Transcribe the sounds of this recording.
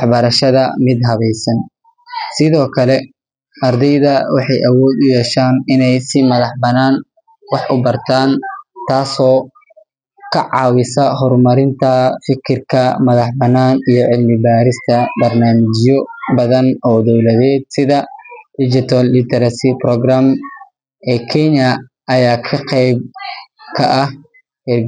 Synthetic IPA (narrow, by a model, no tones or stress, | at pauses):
ħbɐɾɐʃɐðɐmɪd̪ɦɐβɛjsɐn | sɪðɔːkʰɐlɛ | ʔɐrd̪ɛjðɐwɑħɑjʔɐwɔːd̪ʊjɛːʃaːnɪnɛjsɪmɐðɑħbɐnaːn | wɑħʔʊbɐrt̪ʰaːnt̪ʰaːsɔː | kʰɐʕɑ̰ːwɪsɐɦɔrmɐɾɪnt̪ʰɐfɪkʰɪrkʰɐmɐðɑħbɐnːaːnijɔʕɪlmɪbaːɾɪst̪ʰɐbɐrnaːmɪt͡ʃjɔbɐðɐnɔːd̪ɔwlɐðɛːd̪̚sɪðɐd̪ɪd͡ʒɪt̪ʰɐlːɪt̪ʰɛɾɐsɪprɔɡɾaːm | ʔɛːkʰɛnjɐ | ɐjaːkʰɐqɛjb̚kʰɐʔɐh | hɛr